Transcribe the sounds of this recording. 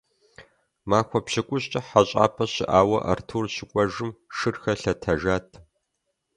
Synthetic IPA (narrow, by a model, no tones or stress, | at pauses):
maːxʷɔpɕɪkʷʼʊɕt͡ʃʼɐħaɕʼa̰ːpʰɐɕɪ̰ʔaːwɐʔɐ̰rtʰuːrɕɪkʷʼɔʒɨmʃɨrxɐɬɐtʰɐʒaːtʰ